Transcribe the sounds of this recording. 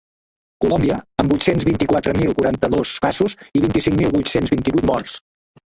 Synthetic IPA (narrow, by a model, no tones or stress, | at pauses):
kulɔmbiəəmbujt̪senzβint̪ikwat̪ɾəmilˠkuɾant̪əðoskazuziβint̪isiŋmilˠβujt̪senzβint̪iβujt̪mɔrs